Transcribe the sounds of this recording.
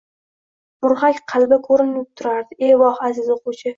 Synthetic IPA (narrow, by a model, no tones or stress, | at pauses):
mʊɾhakʲqʰɑlˠbakʰɵɾɪnɪp̚t̪ʰʊɾaɾd̪ɪʔewɒhazɪzʊqʊt͡ʃʰɪ